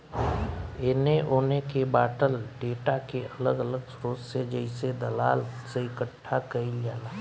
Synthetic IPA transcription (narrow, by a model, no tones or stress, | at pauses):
eːneʔoːnekebaːʈəlɖeːʈakeʔələɡələɡsɾoːtsed͡ʒəɪsed̪əlaːlseɪkəʈʰːakəiljaːlaː